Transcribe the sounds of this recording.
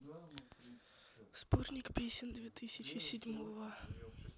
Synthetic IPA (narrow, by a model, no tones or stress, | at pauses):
spornʲɪkpʲesʲɪnʲd̪vʲet̪ɨsʲɪt͡ɕɪsʲɪdʲmovə